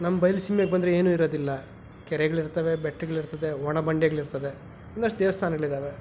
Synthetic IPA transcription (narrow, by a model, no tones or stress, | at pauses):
nɐmːɐbɐjlsimjɐɡebɐnd̪ɐɾeeːnuːiɾoːd̪ilːɐ | kɛɾɛɡɐɭiɾt̪ɐʋebɛʈːiɡɐɭiɾt̪ɐd̪eɦɔɳɐbɐɳɖɛɡɐɭiɾt̪ɐd̪e̞ | ond̪ɐʂʈd̪eːʋɐst̪ʰaːnɐɡɐɭid̪aːʋe